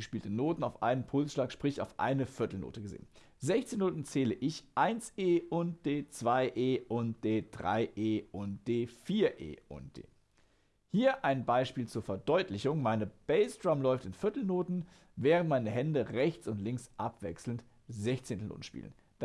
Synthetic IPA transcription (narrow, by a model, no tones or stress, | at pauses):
əʃpiːltənoːtn̩aʊfʔa̰ɪnənpʰʊlsʃlaːkʃpʁ̥ɪça̰ʊfʔa̰ɪnəfɪɐtl̩no̰ːtəɡəzḛːən | zɛçt͡seːnoːtn̩t͡sɛːləʔɪçʔaɪnseːʔʊnt̚d̥eːt͡sv̥aɪʔeːʔʊnt̚d̥eːd̥ʁa̰ɪʔeːʔʊnt̚d̥eːfiːɐʔḛːʔʊ̰nt̚d̥ḛː | hiːɐʔaɪnbaɪʃpiːlt͡suːɐfɛɐdɔʏtʰlɪçʊŋmaɪnəb̥ɛɪsd̥ʁ̥amlɔʏftɪnfɪɐtl̩noːtn̩ | vɛːʁəntmaɪnəhɛndəʁɛçt͡sʊntlɪŋsʔapv̥ɛksl̩nt | zɛçt͡seːntəno̰ːtn̩ʃpḭːlə̰n | d̥